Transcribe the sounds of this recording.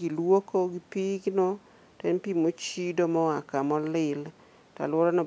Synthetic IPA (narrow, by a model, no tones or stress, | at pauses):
ɡilwokoɡipiɡinɔ | tɛnpimot͡ʃidomɔakamɔlɪl | ta̰lɔɾɔnɔ